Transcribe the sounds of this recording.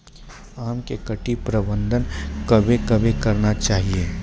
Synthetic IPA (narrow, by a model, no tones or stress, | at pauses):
aːmkekɐʈipɾɐbə̃nd̪ʱənkɐbʱekɐbʱekɐɾnat͡ʃaːɦieː